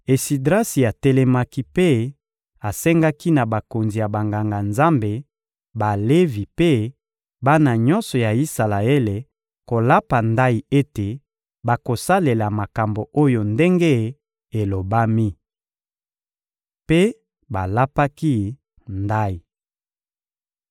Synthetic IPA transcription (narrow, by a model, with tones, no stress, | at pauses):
e˨si˨dʁa˦si˨a˨tɛ˦lɛ˦ma˦ki˦pe˦ | a˨sɛ˦ŋɡa˦ki˦na˨ba˨ko˨nzi˨ja˨ba˨ŋɡa˨ŋɡa˨nza˦mbe˨ | ba˨le˦vi˨pe˦ | ba˦na˨ɲɔ˦nsɔ˨ja˨i˦sa˨la˨e˦le˨ | ko˨la˦pa˨nda˦i˨e˦te˨ | ba˨ko˨sa˦le˨la˨ma˨ka˨mbo˨ʔo˦jo˨nde˦ŋɡe˦ | e˨lo˨ba˦mi˦ | pe˦ | ba˨la˦pa˦ki˦ | nda˦i˨